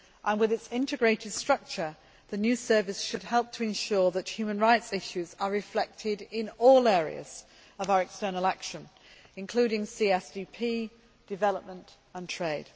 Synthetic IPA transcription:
ʔə̃nwɪðɪtsɪ̃ntɪɡɹeɪtʰɪd̥stɹ̥ʌk̚t͡ʃə | ðənjʉːsɜːvɪsʃəd̚hɛlˠp̚tʰəɪ̃nʃɔɹðəthʉːmə̃nɹaɪtsɪʃʉzəɹɪflɛk̚tʰɪdɪ̃nɔːlɛːɹḭə̰z̥ | əvaʊəɹɛkstɜːnəlˠakʃə̃n | ɪ̃nkʰl̥ʉːɾɪ̃ŋsiɛsdiːpʰiː | d̥ɪvɛləp̚mə̃nt | ə̃ntʰɹ̥eɪd̥

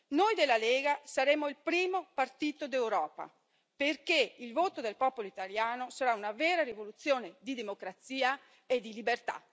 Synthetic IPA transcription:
nojd̪elaleːɡasaɾemoilpɾiːmopart̪iːt̪od̪ewɾɔːpa̰ | perkeilvoːt̪od̪elpɔːpoloit̪aljaːnosaɾaunaveːɾaɾivolut̪sːjoːned̪id̪emokɾat̪siːa | ed̪ilibert̪a̰

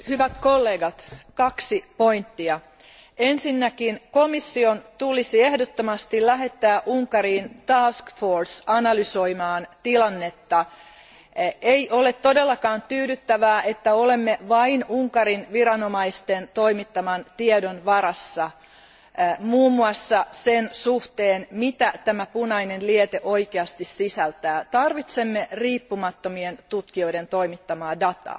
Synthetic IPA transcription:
hyʋæt̪ko̞lːeːɡɑt̪kɑksipo̞int̪ːiɑ | ensinːækinko̞misːio̞nt̪ulisiehdot̪ːomɑst̪illæɦe̞t̪ːæːʔuŋkɑɾiːnt̪ɑːskforsɑnɑlyso̞imɑːnt̪ilɑnːe̞t̪ːɑ | eiʔo̞le̞t̪tːo̞delːɑkɑːnt̪yːdyt̪ːæʋæːʔet̪ːæo̞le̞mːeʋɑinuŋkɑɾinʋiɾɑnomɑist̪ent̪o̞imit̪ːɑmɑnt̪iedonʋɑɾɑsːɑ | muːmːuɑsːɑsensuht̪eːnmit̪æt̪æmæpunɑinenliet̪eʔo̞ikeɑst̪issisælt̪æːt̪ɑrʋit̪se̞mːeriːpːumɑt̪ːomient̪ut̪kio̞ident̪o̞imit̪ːɑmɑːdɑt̪ɑ̰ː

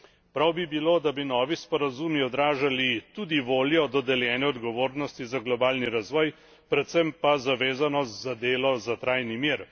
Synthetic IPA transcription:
pɾawbibiloːd̪abinɔːʋispɔɾazumiɔd̪ɾaːʒalit̪uːd̪iʋoːljɔd̪ɔd̪ɛljɛːnɛɔd̪ɡɔʋoːɾnɔst̪izaɡlɔbaːlniɾazʋɔːj | pɾɛt̪sɛmpazaʋeːzanɔst̪zad̪eːlɔzat̪ɾajnimiɾ

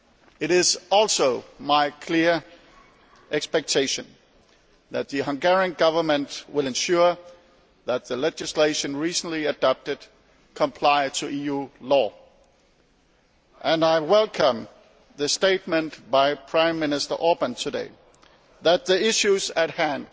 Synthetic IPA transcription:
ɨɾɪzɔlˠsoʊmaɪkʰl̥ɪɹ | ʔɛkspɛk̚tʰeɪʃɨ̃n | ðɨt̪̚ðɨɦʌ̃ŋɡɛɹiɨ̃nɡʌvə˞mɨ̃ntwɪlˠɨ̃nʃʊɹ | ðət̪̚ðɨlɛd͡ʒɨsleɪʃɨ̃nɹisn̩liɨdɑp̚tɨd̥̚ | kʰə̃mpʰl̥aɪtʰɨʔijulɔ | ʔɨ̃naɪwɛlˠkʰə̃m | ðɨsteɪt̚mɨ̃ntb̥aɪpʰɹ̥ãɪ̃mːɪnɨstə̰˞ʔɔɹbə̃ntʰɨdḛɪ | ðɨt̪̚ðiɪʃʉzɨt̚hæ̃nd̥

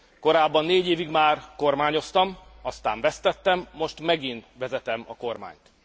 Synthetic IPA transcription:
ko̞ɾaːbːɒnːeːɟeːviɡmaːrko̞rmaːɲo̞st̪ɒmɒst̪a̰ːɱvɛst̪ɛt̪ːɛmːo̞ʃt̪mɛɡint̪ʋɛzɛt̪ɛmɒ̰ko̞rma̰ːɲt̪

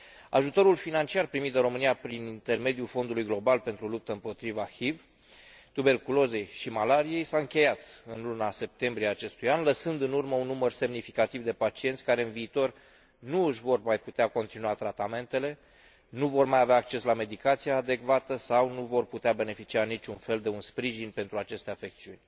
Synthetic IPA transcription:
a̰ʒut̪o̞ɾulfinant͡ʃiarpɾimit̪d̪ɾo̞mɨnijapɾinint̪e̞rme̞d̪julfo̞nd̪ulujɡlo̞balpe̞nt̪ɾulup̚t̪əɨmpo̞t̪ɾivahiv | t̪ube̞rkulo̞ze̞jʃimalaɾije̞jsaɨŋkʲe̞jat̪ɨnlunase̞p̚t̪e̞mbɾieaːt͡ʃe̞st̪ujanləsɨnd̪ɨnurməunːumərse̞mnifikat̪ivd̪e̞pat͡ʃie̞nt̪sʲkaɾe̞ɨnviːt̪o̞r | nuɨʃvo̞rmajput̪eako̞nt̪inuat̪ɾat̪ame̞nt̪e̞le̞ | nuvo̞rmajaveaːk̚t͡ʃe̞slame̞d̪ikat̪sijaːd̪e̞kvat̪əsawnuvo̞rput̪eabe̞ne̞fit͡ʃianit͡ʃʲunfe̞ld̪e̞unspɾiʒinpe̞nt̪ɾuat͡ʃe̞st̪eafe̞k̚t̪siunʲ

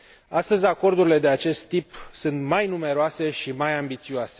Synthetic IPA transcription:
ast̪əzʲako̞rd̪uɾile̞d̪e̞at͡ʃe̞st̪ːipsɨnt̪majnume̞ɾoase̞ʃimajambit̪sioase̞

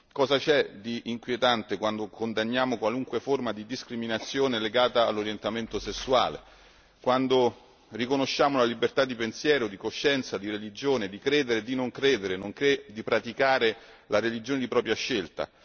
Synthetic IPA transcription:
kɔːzat͡ʃɛd̪iʔːŋkwjet̪ant̪ekwand̪okond̪anːjaːmokwaluŋkweformad̪id̪iskɾiminat̪sːjoːneleɡaːt̪a̰ːlːoɾjent̪ament̪osesːua̰ːlḛ | kwand̪o | rikonoʃːaːmolalibert̪ad̪ːipensjɛːɾod̪ikoʃːɛnt̪sad̪iɾelid͡ʒoːned̪ikɾɛːd̪eɾed̪inoŋkɾɛːd̪eɾenoŋked̪ipɾat̪ikaːɾelaɾelid͡ʒoːned̪ipɾɔːpɾjaʃːelt̪a̰

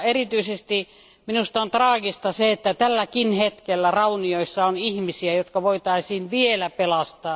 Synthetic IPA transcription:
erit̪yisest̪i | minust̪ɑont̪rɑːɡist̪ɑseet̪ːæt̪ælːækinhet̪kelːærɑunioisːɑonihmisiæjot̪kɑʋoit̪ɑisiːnʋielæpelɑst̪ɑː

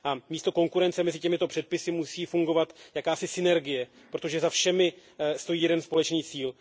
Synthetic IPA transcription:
ʔamiːst̪o̞ko̞ŋkuɾɛnt͡sɛmɛzɪcɛmɪt̪o̞pr̥ɛt̪̚pɪsɪmusiːfuŋɡo̞vat̪jakaːsɪsɪnɛɾɡɪjɛ | pɾo̞t̪o̞ʒɛzafʃɛmɪst̪o̞jiːjɛdɛnspo̞lɛt͡ʃniːt͡siːl

